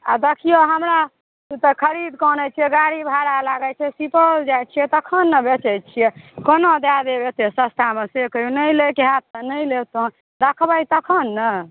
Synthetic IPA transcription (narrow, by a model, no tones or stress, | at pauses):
a̰d̪ekʰijoɦəmɾa | ut̪əkʰəɾid̪kɔnɛt͡ʃʰijɛɡaɽibʱaɾalaɡɛt͡ʃʰɛsipəld͡ʒajt͡ʃʰijɛt̪əkʰənːəbet͡ʃɛjt͡ʃʰijɛkonod̪ad̪ebet̪esə̃st̪ʰamesekəunəjlekeɦat̪̚ːənəjlet̪õ | d̪əkʰbəjt̪əkʰənːə